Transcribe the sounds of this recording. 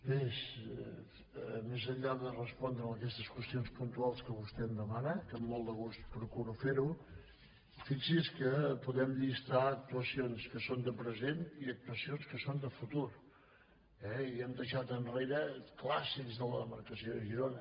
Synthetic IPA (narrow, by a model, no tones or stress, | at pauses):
bes | mezəʎːaðərəspɔnd̪ɾəməkɛst̪əskwəst̪ionspunt̪ualˠskəβust̪ɛmd̪əmanəkəmːɔlˠd̪əɣust̪pɾukuɾufeɾu | fisiskəpuðɛmʎist̪aək̚t̪uəsionskəsond̪əpɾəzeniək̚t̪uəsionskəsond̪əfut̪uɾ | ɛiɛmd̪əʃat̪ənreɾəklasikzðələðəməɾkəsioðəʒiɾonə